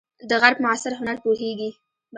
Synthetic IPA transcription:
d̪əɣaɾb̚mʊasɪɾɦʊnaɾpoheɡi | b

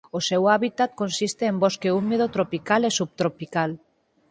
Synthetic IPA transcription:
osewaβit̪at̪̚konsist̪eːmboskeumeðot̪ɾopikalesuβ̚t̪ɾopikal

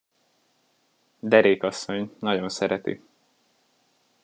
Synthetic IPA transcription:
d̪ɛɾeːkɒsːo̞ɲnɒɟo̞nsɛɾɛt̪ḭ

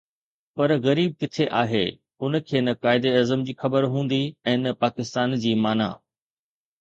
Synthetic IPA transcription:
pɐɾɣɐɾiːb̚kɪt̪ʰeʔaːɦḛ | ʊn̆kʰeːnɐkaːɪd̪eɐzəmd͡ʑiːxɐbəɾɦũːn̆d̪iɛ̃ːnɐpaːkɪst̪aːnd͡ʑiːmaːna̰ː

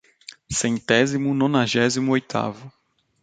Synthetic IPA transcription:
sẽnt̪ɛzimʊnõnaʒɛzimʊojt̪ʰa̰vʊ

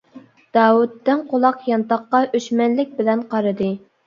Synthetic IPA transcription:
d̪̥ɑːwut̪ːɪnqolˠɑqjɑnt̪ɑχqːɑʔøʃmɛnlɪk̚ʲbɪlɛnqʰɑɾɨd̪ɨ

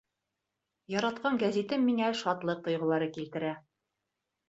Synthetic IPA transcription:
jɒɾɑt̪̚qɑŋɡæzit̪ɘmːiŋæʃɑt̪lˠɤq̚t̪ŏjʁɤ̆lˠɑɾɤkilt̪ɘ̆ɾæ

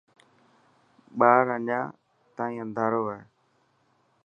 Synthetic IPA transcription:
ɓaːɾəɲãː | t̪ãːĩːə̃nd̪ʱaːɾoːaːɦe

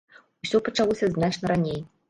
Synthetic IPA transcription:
usʲɔpɐt͡ʂalˠɔsʲɐznat͡ʂnɐɾanʲej

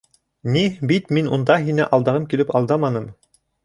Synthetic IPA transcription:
nibit̪minṵnd̪ɑɦinɘʔɑlˠd̪ɑʁɤmkilɘpɑlˠd̪ɑmɑnɤm

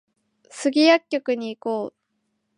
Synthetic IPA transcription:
sɨɡʲijakʲːo̞kɯ̟ɲ̟iːkoː

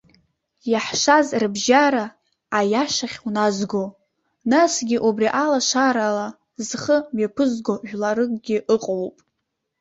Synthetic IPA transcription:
jaħʂazrbʒaɾaː | jaʃaχʲwunazɡo | nasɡʲiʔubriʔalaʃaɾala | zχəmɥepʰɨzɡoʒᶣlaɾɨkʼɡʲɪʔɨqʼowpʼ

